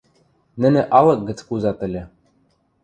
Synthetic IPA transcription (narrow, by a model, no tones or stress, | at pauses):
nɘ̆nɘ̆ʔɑlˠɤ̆k̚ɡɘ̆t͡skuzɑt̪ɘ̆lʲɘ̆